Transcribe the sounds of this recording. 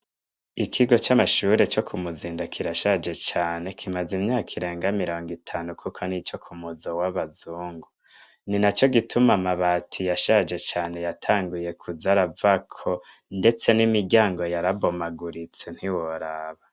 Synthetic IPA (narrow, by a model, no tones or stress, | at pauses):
ikʰiɡo̞t͡ʃamaʃuːɾe̞t͡ʃo̞kʰumuziːndakʰiɾaʃad͡ʒe̞t͡ʃaːne̞kʰimazimɲaːkʰiɾe̞ːŋɡamiɾo̞ːŋɡitʰaːnukʰukʰonit͡ʃo̞kʰumuzowaβazuːŋɡu | ninat͡ʃo̞ɡitʰumamaβaːtʰijaʃad͡ʒe̞t͡ʃaːne̞jatʰaːŋɡuje̞kʰuzaɾavakʰo̞nde̞t͡se̞nimiɾɟaːŋɡo̞jaɾaβomaɡuɾit͡se̞n̥hiwoɾaβa